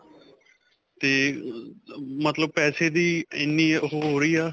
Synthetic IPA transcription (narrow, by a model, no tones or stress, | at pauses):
t̪eː | mət̪ləb̚pɛːseːd̪iːɪ̰nːiːɦoːɦoːɾiːaː